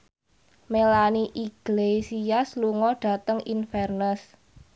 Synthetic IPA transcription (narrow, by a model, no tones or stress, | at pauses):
melaniʔiɡ̥lesiasluŋɔɖ̥ä̤t̪əŋinfɛrnəs